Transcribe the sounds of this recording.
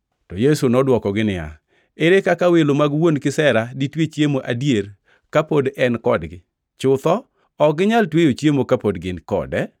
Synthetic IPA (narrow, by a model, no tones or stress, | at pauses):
tɔjesunɔdwɔkɔɡɪnɪja̰ | ɪɾɪkakawelomaɡwonkɪsɛɾaditwet͡ʃjemoʔadjeɾ | kapodɛnkɔdɡɪ | t͡ʃʊt̪ɔ | ɔɡɪɲaltwejot͡ʃjemokapodɡɪnkɔ̰dɛ